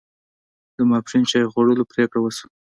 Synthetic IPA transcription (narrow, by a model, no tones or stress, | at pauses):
d̪əmɑpɾint͡ʃɑjɣwaɽəlopɾekɽawəsu̥